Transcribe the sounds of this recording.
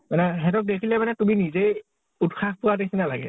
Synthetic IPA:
manɛɦɛtɔk̚dekʰilɛmanɛtuminizej | utxʰaxpʊwadekʰinalaɡɛ̰

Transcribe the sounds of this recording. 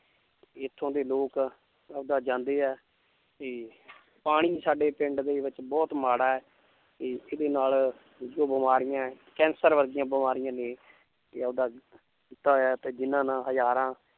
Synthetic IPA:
ɪt̪ʰːõːd̪eːloːk | əd̪aːd͡ʒãːnd̪eːɛː | t̪eː | paːɽ̃iːsaːɖeːpɪɳɖd̪eːʋɪt͡ʃbɔːt̪maːɽaːɛː | t̪eːʔɪd̪eːnaːl | d͡ʒoːbəmaːɾɪjãːɛkɛ̃ːnsəɾʋəɾɡ̪ɪjãːbəmaːɾɪjãːnẽː | t̪eəd̪aː | kit̪ːaːɦoɛːt̪eːd͡ʒɪnãːnãːɦəd͡ʒaːɾãː

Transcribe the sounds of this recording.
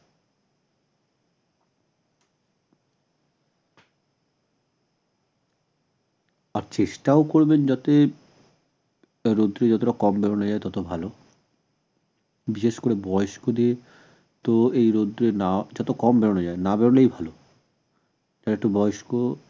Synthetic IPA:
aɾt͡ʃesʈaokoɾbend͡ʒɔt̪e | ɾod̪ɾed͡ʒɔt̪oɾakɔmbɛɾɔnɔd͡ʒaet̪ɔt̪obʱalo | biʃeskoɾebɔjoskod̪ie | t̪oejɾod̪ɾenad͡ʒɔt̪okɔmbɛɾonod͡ʒaenabɛɾɔlejbʱalo | d͡ʒaɾeʈubɔjsko

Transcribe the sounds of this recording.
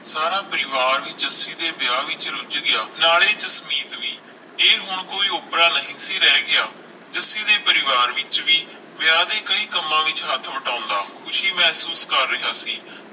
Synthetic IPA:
saːɾaːpəɾɪʋaːɾʋiːd͡ʒəsiːd̪eːbɪjaːʋɪt͡ʃɾʊd͡ʒɡɪjaːnaːɭeːd͡ʒəsmiːt̪ʋiː | eːɦʊɳkoːiːʊpɾãːnəɦĩːsiːɾɛːɡɪaː | d͡ʒəsiːd̪eːpəɾɪʋaːɾʋɪt͡ʃʋiː | bɪjaːd̪eːkəiːkəmːãːʋɪt͡ʃɦət̪ʰːʋəʈãːʊnd̪aːkʊʃʰiːmɛːsuːskəɾːɪɦaːsiː

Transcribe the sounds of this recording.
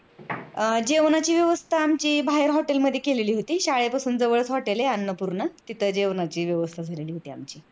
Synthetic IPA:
d͡ʑeʋnat͡ɕiːʋjəʋəst̪ʰaːmt͡ɕiːbʱaɦeɾɦɔʈelməd̪ʱːjekeleliːɦot̪iːɕaɭepasuːnd͡zəʋəɭt͡sɦɔʈeleanːəpuɾɳət̪it̪ʰəd͡ʑeʋnat͡ɕiːʋjəʋəst̪ʰad͡zʱaleliːɦot̪iːamt͡ɕiː

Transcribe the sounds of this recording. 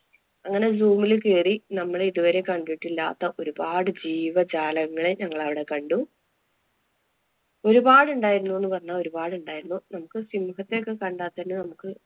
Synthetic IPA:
ɐŋːɐne̞d͡ʑuːmilkeːrinɐmːɐɭeiðuʋɐɾe̞kɐɳɖiiʈːilːa̰ːt̪ːɐʔo̞ɾubaːɽɨd͡ʑiːʋɐd͡ʑaːlɐɣɐŋːɐɭeɲɐŋːɐɭɐʋiɽe̞kɐɳɖu | o̞ɾubaːɽuɳɖaːjiɾunːue̞nːɨpɐrɐɲːao̞ɾubaːɽuɳɖaːjiɾunːunɐmukːɨsimuɦɐt̪ːejokːekɐɳɖaːt̪ːenːɨnɐmukːɨ

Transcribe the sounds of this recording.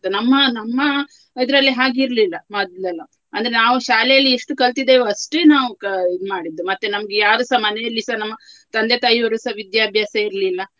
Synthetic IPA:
unɐmːɐnɐmːɐ | id̪ɾɐlːiɦaːɡiɾlilːɐmaːd̪lɐlːɐ | ɐnd̪ɐɾenaːʋuʃaːlɛjɐlːieʂʈukɐɭt̪id̪eɐʂʈeːnaːʋukɐmaːɽid̪ːumɐt̪ːenɐmɐɡejaːɾusɐmɐnejɐlːisɐnɐmːɐt̪ɐnd̪e̞t̪aːjiʋɐɾusɐʋid̪jaːbʱjaːsɐiɾlilːɐ

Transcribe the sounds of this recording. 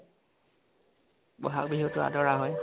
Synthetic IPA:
bɔɦak̚biɦutɔa̰dɔɹaɦɔj

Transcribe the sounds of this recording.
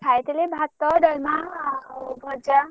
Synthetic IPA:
ajet̪elebʱat̪ːʌɖʌlma | bʱʌd͡ʒa

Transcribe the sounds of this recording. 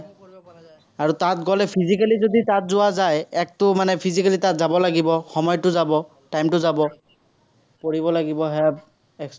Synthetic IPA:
aɹutat̚ɡɔlɛpʰizikalizoditatzʊwazajɛk̚tʊmanɛpʰizikalitatzabɔlaɡibɔxɔmɔjtʊzabɔ | tajmtʊzabɔ | poɹibɔlaɡibɔɦɛp | ɛks

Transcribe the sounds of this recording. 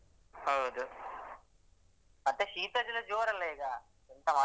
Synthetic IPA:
hɐɦud̪u | ɐnt̪eʃiːt̪ɐd͡ʒilɐd͡ʒoːɾɐnleːɡaː | int̪ɐmɐ

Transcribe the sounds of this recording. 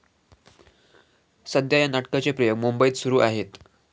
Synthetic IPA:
səd̪jajanaʈkat͡sepɾəjoɡmumbəjiːt̪suɾuːʔaɦet̪

